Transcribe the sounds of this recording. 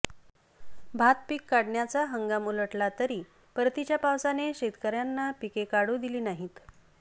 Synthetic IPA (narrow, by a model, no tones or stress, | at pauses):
bʱat̪pikːaɽɳjat͡saɦəŋɡamuləʈlat̪əɾiː | pəɾt̪it͡ɕjapawsaneɕet̪kəɾjanːapikekaɽuːd̪iliːnaɦit̪